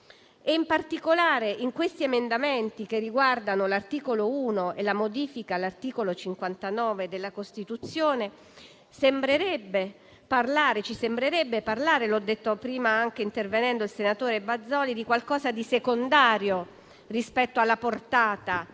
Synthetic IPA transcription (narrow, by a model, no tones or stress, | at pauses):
eimpart̪ikolaːɾeʔiŋkwest̪iemend̪ament̪ikerːiɡward̪anolart̪iːkolouːnoelːamod̪iːfikalart̪iːkolot͡ʃiŋkwant̪anɔːved̪elːakost̪it̪ut̪sːjoːne | sembɾeɾɛbːe | parlaːɾet͡ʃisembɾeɾɛbːeparlaːɾelɔd̪ːet̪ːopɾiːmaaŋk̟eint̪ervenɛnd̪oilsenat̪oːɾebad̪zːɔːlid̪ikwalkɔːzad̪isekond̪aːɾjo | rispɛt̪ːoalːaport̪aːt̪a